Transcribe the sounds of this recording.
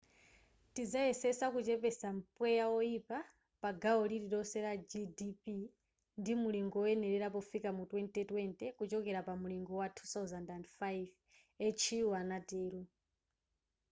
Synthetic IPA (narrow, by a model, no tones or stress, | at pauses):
tid͡zaɛsɛsakut͡ʃɛpɛsampwɛjaɔipa | paɡaɔliɾiɗɔsɛɾad͡ʒidipi | ndimuliŋɡɔɔɛnɛɾɛɾapɔfikamutwɛntʼɛtwɛntɛkut͡ʃɔkɛɾapamuliŋɡɔwatʰuθawzandantfajv | ɛt͡ʃʰiwanatɛːɾu